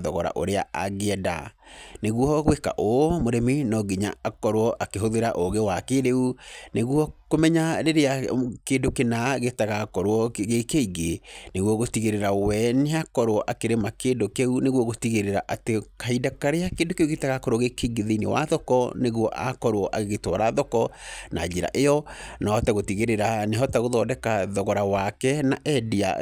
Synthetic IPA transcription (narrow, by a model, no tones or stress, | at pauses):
ðɔɣɔɾa̰ʔo̰ɾea̰a̰ɣeɛda̰neɣwɔɣweka̰ʔomoɾemenɔɡiɲa̰akɔɾowɔʔakeɦoðeɾaʔoɣewakeɾeuneɣwɔkomɛɲaɾeɾeakeːndokenaɣetaɣakɔɾwɔɣekeiɡeneɣwɔɣotiɣeɾeɾawɛneakɔɾwɔʔakeɾemakeːndokeuneɣwɔɣotiɣeɾeɾaʔatekaidakaɾeakeːndokeuɣetaɣakɔɾoɔɣekeiɡeðinewa̰ðɔkɔneɣwɔʔa̰kɔɾwɔʔaɣeɣetwɔɾaðɔkɔna̰d͡ʒiɾa̰ʔejɔnaɔtaɣotiɣeɾeɾaneɦɔtaɣoðɔdɛkaðɔɣɔɾawakɛnaʔɛdia̰